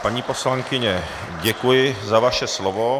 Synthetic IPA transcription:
paɲiːpo̞slaŋkɪɲɛ | ɟɛkujɪzavaʃɛslovo

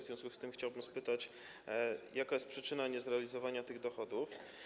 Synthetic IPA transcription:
zʲjɔ̃skust̪ɘmxt͡ɕawbɘmspɘt̪at͡ɕ | jakajɛst̪pʂɘt͡ʂɘnaɲɛzɾɛalʲizɔvaɲat̪ɘɣd̪ɔxɔd̪uf

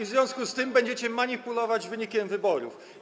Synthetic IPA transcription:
vzvʲjɔ̃skust̪ɘmbɛɲd͡ʑɛt͡ɕɛmaɲipulɔvad͡ʑvɘɲikʲɛmvɘbɔɾṵf

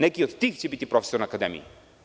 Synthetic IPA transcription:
nɛkiot̪t̪ixt͡ʃɛbit̪ipɾɔfɛ̥soɾnɐkad̪ɛmḭ

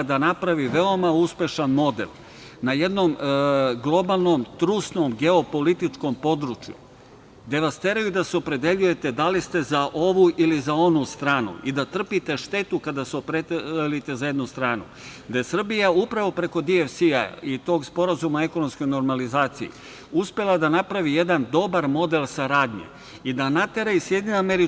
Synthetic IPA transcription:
d̪anapɾaʋiʋe̞o̞mauspe̞ʃanmo̞d̪e̞̰l | naje̞d̪nomɡlˠo̞balˠno̞mt̪ɾusno̞mɡe̞o̞po̞lit̪it͡ʃko̞mpo̞d̪ɾut͡ʃjṵ | d̪eʋast̪e̞ɾajud̪aseo̞pɾe̞d̪e̞ʎuje̞t̪e̞d̪alist̪e̞zaʔo̞ʋuʔilizao̞nust̪ɾaːnṵʔid̪at̪r̩pit̪e̞ʃt̪e̞t̪ukad̪aseopɾelit̪e̞zaje̞d̪nust̪ɾaːnṵ | d̪aje̞sr̩bijaupɾaʋo̞pɾe̞ko̞d̪iefsia̰it̪o̞ːɡspo̞ɾazumae̞ko̞nomsko̞jno̞ɾmalizaːt̪sḭjḭ | uspe̞lˠad̪anapɾaʋije̞d̪and̪o̞baɾmo̞d̪e̞lsaɾaːd̪ʲɲe̞̰ | id̪anat̪e̞ɾaisjed̪ɲʲinuameɾi

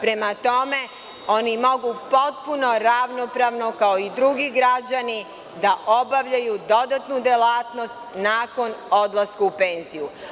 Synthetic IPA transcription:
pɾe̞mat̪o̞me̞ | o̞nimo̞ɡupo̞t̪puno̞ɾaʋno̞pɾaːʋnokao̞id̪ɾuɡiɡɾad͡ʑani | d̪aʔo̞baʋʎajud̪o̞d̪at̪nud̪elaːt̪no̞st̪naːko̞no̞d̪lˠaskuupe̞ːnziju

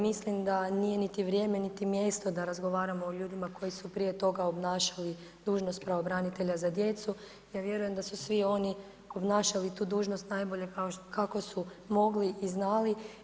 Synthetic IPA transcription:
mislimd̪anije̞nit̪iʋɾje̞ːme̞nit̪imje̞st̪o̞d̪aɾazɡo̞ʋaːɾamoːʎuːd̪imako̞jisupɾije̞t̪o̞ɡao̞bnaːʃḁli | d̪̥uːʒnost̪̚pɾaobɾanit̪e̞ʎazad̪je̞t̪su | jaːʋje̞ɾuje̞md̪asusʋio̞ni | o̞bnaːʃalit̪uːd̪uːʒno̞st̪najbo̞ʎekaokakosu | mo̞ɡliʔiznaːli

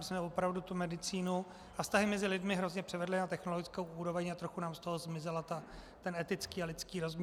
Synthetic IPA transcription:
smɛvopɾavdut̪umɛdɪt͡siːnu | ʔafst̪aɦɪmɛzɪlɪdmɪɦɾo̞zɲɛpr̥ɛvɛdlɪnat̪ɛxno̞loɡɪt͡skowuːɾo̞vɛɲat̪ɾo̞xunaːmst̪o̞ɦo̞zmɪzɛlat̪a | t̪ɛnɛt̪ɪt͡skiːalɪt͡skiːɾo̞zm

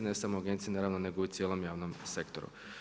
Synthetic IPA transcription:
ne̞samoaɡe̞nt̪sijenaɾaːʋnone̞ɡout̪sjeːlˠo̞mjaːʋnomse̞kt̪o̰ɾṵ

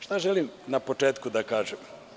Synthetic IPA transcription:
ʃt̪aʒelimnapot͡ʃeːt̪kud̪akaːʒem

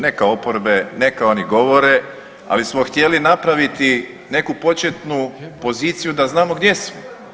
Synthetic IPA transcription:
ne̞kao̞poɾbe̞ne̞kao̞niɡo̞ʋo̞ɾe̞ | a̰lismoxt̪ʲje̞linapɾaʋit̪i | ne̞kupo̞t͡ʃe̞t̪nupo̞ziːt̪sijud̪aznaːmo̞ɡd̪je̞smo

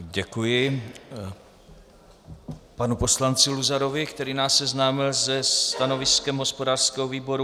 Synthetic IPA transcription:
ɟɛkujɪ | panupo̞slant͡sɪluzaɾo̞vɪkt̪ɛɾiːnaːsːɛznaːmɪlzɛst̪ano̞vɪskɛmɦo̞spo̞daːr̥skɛɦoviːbo̞ɾu

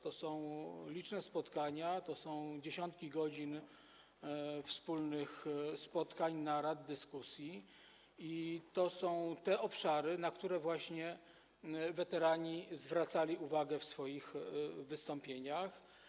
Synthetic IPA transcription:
t̪ɔsɔ̃w̃lʲit͡ʂnɛspɔt̪kaɲat̪ɔsɔ̃w̃d͡ʑeɕɔnt̪kʲiɡɔd͡ʑin | fspulnɘxspɔt̪kaɲnaɾad̪ːɘskusʲji | it̪ɔsɔ̃w̃t̪ɛʔɔpʂaɾɘnakt̪uɾɛvwaɕɲɛ | vɛt̪ɛɾaɲizvɾat̪salʲiuvaɡɛfsfɔjixvɘst̪ɔ̃mpʲjeɲax

